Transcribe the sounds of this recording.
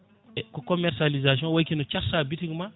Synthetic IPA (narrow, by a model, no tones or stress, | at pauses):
ɛkɔkɔmɛɾsalizas̬jɔ̃wajkinɔt͡ʃaɾsaːbitiŋma